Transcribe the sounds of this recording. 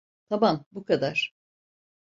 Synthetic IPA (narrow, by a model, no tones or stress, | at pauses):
t̪ʰabambukad̪aɾ̥